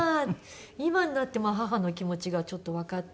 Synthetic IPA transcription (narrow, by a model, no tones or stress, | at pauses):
imaɲinat̪ːe̞maːɦaɦano̞kʲimo̞t͡ɕiɡat͡ɕo̞t̪ːo̞βakat̪ː